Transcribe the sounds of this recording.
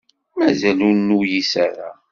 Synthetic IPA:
mæzælʊɾnujisaɾa̰

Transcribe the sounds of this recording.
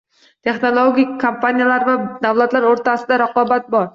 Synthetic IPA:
t̪ʰe̞χnolˠoɡʲikʲkʰːompʰanʲijalaɾvad̪awlˠat̪laɾoɾt̪ʰasɪd̪aɾaqɒbat̪̚bɒɾ

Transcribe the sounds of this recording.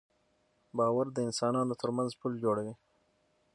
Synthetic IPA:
bɑwaɾd̪əɪnsɑnɑnot̪ʰəɾmanzpuld͡ʒoɽawi

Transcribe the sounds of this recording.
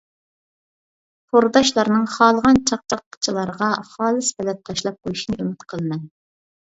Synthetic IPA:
pʰoɾd̪ɑʃlˠɑɾnɨŋχɑːlˠəʁɑnt͡ʃʰɑq̚t͡ʃʰɑqːʰə̥t͡ʃʰilˠɑɾəʁɑχɑːlˠɨshɛlɛt̪ʰːɑʃlˠɑp̚qʰojuʃinɨømɪt̪qʰəlˠmɛn

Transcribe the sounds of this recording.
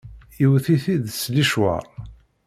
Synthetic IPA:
iwθiθiðsliʃwa̰ɾ

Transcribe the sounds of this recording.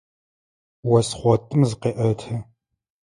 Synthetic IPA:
wɐsχʷɔtʼɨmzɨqeːʔɐtʰɐ

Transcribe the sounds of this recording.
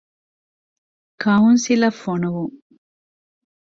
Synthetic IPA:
kʰɐɦunsilɐfonuʋuŋ

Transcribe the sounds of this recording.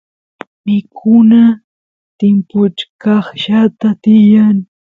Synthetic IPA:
mɪkʰʊna | t̪ɪmpʊt͡ʃkɑχʃat̪at̪ɪjaŋ

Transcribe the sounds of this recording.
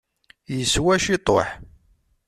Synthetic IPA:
jəswæʃit̪ˤo̰ħ

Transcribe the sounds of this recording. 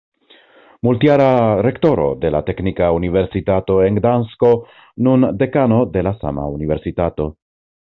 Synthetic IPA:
multiaɾaɾe̞kto̞ɾo̞̰de̞late̞knikaunive̞ɾsitato̞e̞ŋɡdansko̞ | nunde̞kano̞de̞lasa̰ma̰unive̞ɾsitato̞

